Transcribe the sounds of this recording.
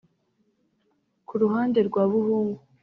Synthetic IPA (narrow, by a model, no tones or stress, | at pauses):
kʰuɾuɦaːnde̞ɾɡwaːβuhuːŋɡu